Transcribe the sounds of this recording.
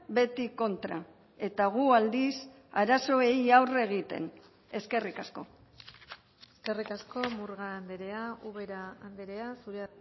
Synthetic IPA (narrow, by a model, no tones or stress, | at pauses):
be̞t̪iko̞nt̪ɾa | e̞t̪aɣ̞uald̪is | aɾaso̞e̞jawre̞ɣ̞it̪e̞̰n | e̞ske̞rikasko̞ | eske̞rikasko̞muɾɣaːnd̪eɾe̞auβe̞ɾaːnd̪eɾe̞asuɾea